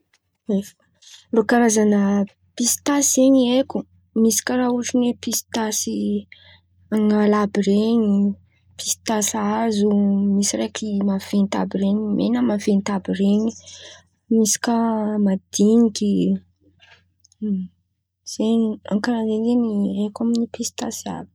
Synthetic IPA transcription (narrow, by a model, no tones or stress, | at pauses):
efə̥ | lokaɾazanə | pisi̥t̪aseɲiekʲu | misi̥kʲəɾauʈ͡ʂinwepist̪asi | aŋalabiɾeɲi | pist̪asazumisiɾekimav̥ent̪a̰bireɲimʔḛnəmavent̪abireɲi̥ | misi̥kʲəmad̪̥iŋiki | z̥eɲiaŋkaɾazenzeniekaminipist̪asia̰b̥i̥